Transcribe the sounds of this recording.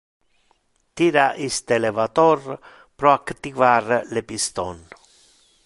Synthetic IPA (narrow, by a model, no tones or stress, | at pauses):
t̪iɾaʔist̪elevat̪ɔr | pɾɔakt̪ivarlepist̪ɔn